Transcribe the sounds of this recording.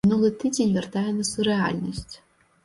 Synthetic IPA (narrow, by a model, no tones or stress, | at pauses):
nulˠɨtʰidʲenʲvʲɛrtʰajanɨsurea̰lʲnosʲtʲʰ